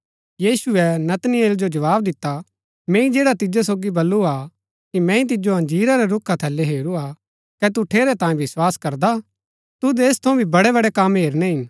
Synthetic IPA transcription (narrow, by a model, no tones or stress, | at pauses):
jiːsʊɛnɐt̪nɪeːld͡ʒod͡ʒɐʋaːbd̪ɪt̪ːa | mɛ̃ːĩd͡ʒeːɽat̪ɪd͡ʒes̬oːɡibɐlːua | kimɛ̃ːĩt̪̬ɪd͡ʒoɦɐ̃nd͡ʒiːɾaɾɛɾʊkʰːat̪ʰɛːlːeɦeːɾua | kɛt̪uʈʰeːɾɛt̪ãːĩbɪswaːskɐɾd̪a | t̪ud̪eːst̪ʰɐũbʱibɐɽɛβɐɽɛkɐmɦeːɾnɛɦɪn